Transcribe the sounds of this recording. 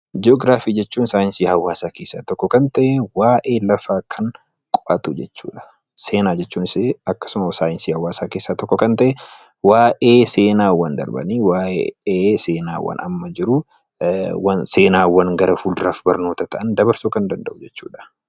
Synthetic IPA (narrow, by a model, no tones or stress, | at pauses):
d͡ʒɪoːɡɾaːfiːd͡ʒɛt͡ʃːuːnsaːɪnsiːhɐwaːsaːke̞ːsːaːt̪ɔkːɔkɐnt̪ɐʔɛwaːʔe̞ːlɐfaːkʰɐŋ | kʼʊʔɐt̪ud͡ʒɛt͡ʃːṵːᶑɐ̥ | se̞ːnaːd͡ʒɛt͡ʃːuːnɪseɐkːɐ̥sʊmɐsaːjɪnsiːhɐwaːsaːke̞ːsːaːt̪ɔkːɔkɐnt̪ɐʔɛ | waːʔeːse̞ːnaːwɐnd̪ɐ̰ɾbɐ̰niːwaːʔeːse̞ːnaːwɐ̰nɐ̰mːɐd͡ʒɪɾʊ | wɐnse̞ːnaːwɐnɡɐɾɐfuːld̪ɾafbɐɾno̞ːt̪ɐt̪ɐʔɐnd̪ɐbɐɾsoːkɐnd̪ɐnd̪ɐʔʊd͡ʒɛt͡ʃːuːᶑɐ̥